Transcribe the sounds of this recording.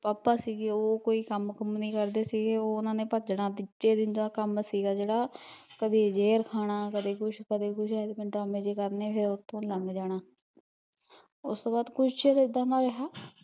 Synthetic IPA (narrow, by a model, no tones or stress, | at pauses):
paːpːaːsiːɡeːoːkoːiːkəmkəmnĩːkəɾd̪eːsiːɡeːoːʊnãːnẽːpəd͡ʒɽãːt̪ɪt͡ʃːeːd̪ɪnd͡ʒ̪aːkəmsiːɡaːd͡ʒeːɽaː | kəd̪eːd͡ʒeːɾkʰaːɽ̃aːkəd̪eːkʊʃkəd̪eːkʊʃʰɛːd̪epɪɳʈɾaːmẽːd͡ʒeːkəɾneːpʰɪɾʊt̪ʰːõːləŋɡd͡ʒaːɽaː | ʊst̪õːbaːd̪kʊt͡ʃʰt͡ʃeːɾɪd̪aːnãːɾəɦaː